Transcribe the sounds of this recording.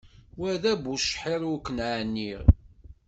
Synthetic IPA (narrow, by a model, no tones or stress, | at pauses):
wæðæbuʃħiɾˤukːənʕanːiʁ